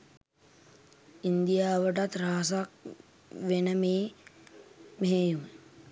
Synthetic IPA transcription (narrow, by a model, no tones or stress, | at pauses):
ind̪ijaːʋəʈ̬at̪ɾaɦas̬ak̚ | ʋenəmeː | meɦejumə